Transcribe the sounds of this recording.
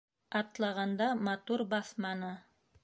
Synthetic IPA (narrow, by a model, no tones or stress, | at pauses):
ɑt̪lˠɑʁɑnd̪ɑmɑt̪uɾbɑθmɑnɤ